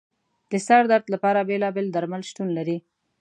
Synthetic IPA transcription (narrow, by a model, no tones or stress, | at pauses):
d̪̥əsaɾd̪aɾd̪lapɑɾabelɑbeld̪aɾmalʃʈunlaɾi